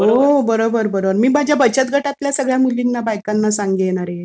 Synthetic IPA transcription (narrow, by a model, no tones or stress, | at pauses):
ɦobəɾobəɾbəɾobəɾmiːbad͡ʑjabət͡ɕət̪̚ɡʱəʈat̪ljasəɡɭjamulːĩŋnabajkanːasãŋɡeeɽ̃aɾee